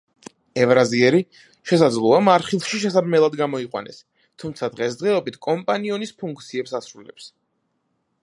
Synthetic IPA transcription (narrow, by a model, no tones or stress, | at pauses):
ɛvɾaziɛɾi | ʃɛsad̪zlˠɔamaɾχilˠʃiʃɛsab̪mɛlˠad̪ɡamɔiqʼwa̰nɛ̰s | t̪ʰumt̪sʰad̪ʁɛsd̪ʁɛɔbit̪ʰkʼɔmpʼaniɔnispʰuŋk̚ʰt̪sʰiɛpsasɾulɛ̰ps